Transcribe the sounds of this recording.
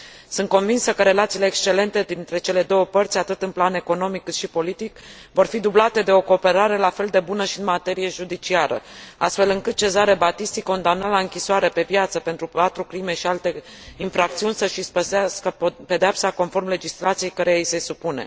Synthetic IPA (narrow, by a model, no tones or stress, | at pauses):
sɨnt̪ko̞nvinsəkəɾe̞lat̪siːle̞ːkst͡ʃe̞le̞nt̪e̞d̪int̪ɾe̞t͡ʃe̞le̞d̪o̞wəpərt̪sʲat̪ɨt̪ɨnplane̞ko̞no̞mikːɨt̪ʃipo̞lit̪ikvo̞rfid̪ublat̪e̞d̪e̞o̞ko̞ːpe̞ɾaɾe̞lafe̞ld̪e̞bunəʃiɨnmat̪e̞ɾije̞ʒud̪it͡ʃiaɾə̰ast̪fe̞lɨŋkɨt̪̚t͡ʃe̞zaɾe̞bat̪ist̪iko̞nd̪amnəlaɨŋkʲisoaɾe̞pe̞pjat̪səpe̞nt̪ɾupat̪ɾukɾime̞ʃialt̪e̞ | infɾak̚t̪siunʲsəʃispəsaskəpe̞d̪eapsako̞nfo̞rmle̞d͡ʒislat̪sije̞jkəɾeise̞supune̞̰